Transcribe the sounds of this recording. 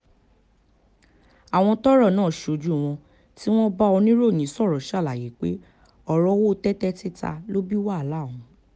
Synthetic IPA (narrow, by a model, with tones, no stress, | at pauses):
a˨w̃ɔ̃˧tɔ˦ɾɔ˦˨nãː˨˦˨ʃo˨˧˨d͡ʒu˦˨w̃ɔ̃˧ | ti˦w̃ɔ̃˦ba˦ɔ˧nĩ˦ɾo˦˨j̃ĩ˨˦sɔ˦˨ɾɔ˨ʃa˦˨la˨je˨˦k͡pḛ˦ | ɔ˦˨ɾɔ˧˦wo˦˧tɛ˦tɛ˦ti˦ta̰˧lo˦bi˦wa˦˨lã˨˦˨ũ˨˦